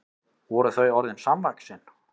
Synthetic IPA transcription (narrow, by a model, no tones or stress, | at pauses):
vɔɾʏθœɥɔɾðɪnsamvaksɪn